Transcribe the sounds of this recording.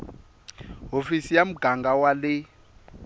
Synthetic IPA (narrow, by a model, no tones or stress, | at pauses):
ɦofisijam̩ɡ̥ʱaŋɡʱawalɪ